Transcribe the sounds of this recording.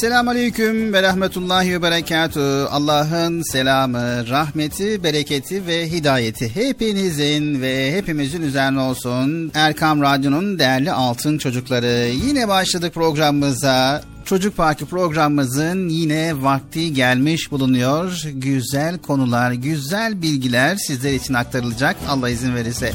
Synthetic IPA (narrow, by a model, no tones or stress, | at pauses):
selʲaːmalʲejcʰymvɛɾaxmet̪ʰulˠːaːɦivɛbeɾacʰaːt̪ʰya̰lˠːaːɦɯnselʲaːmɯɾaɦmet̪ʰibe̞ɾecʰet̪ʰivɛɦid̪aːje̞t̪ʰiɦe̞pinizinvɛɦe̞pimizinyzɛɾnʲɛo̞lˠsunæɾkʰamɾad̪jo̞nund̪ejæɾlʲiʔalˠt̪ʰɯnt͡ʃʰo̞d͡ʒuklˠaɾɯjinɛbaʃlˠad̪ɯk̚pɾo̞ɡɾamɯmɯza | t͡ʃʰo̞d͡ʒuk̚pʰaɾkɯpɾo̞ɡɾamːɯzɯnjinɛvak̚t̪ʰɯɟælʲmiʃbulˠunujo̞ɾɟyzælʲkʰo̞nulˠaɾɟyzælʲbilʲɟilʲæɾsizlʲeɾit͡ʃʰinak̚t̪ʰaɾɯlˠɯd͡ʒakʰa̰lˠːaizinve̞ɾisɛ